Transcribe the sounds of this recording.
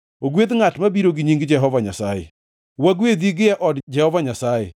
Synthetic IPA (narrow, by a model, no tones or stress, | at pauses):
oɡweðŋatmabiɾoɡɪɲiŋɡɪd͡ʒɛɦɔvaɲasajḛ | waɡweðiɡɪjaʔɔdd͡ʒɛhɔvaɲasaje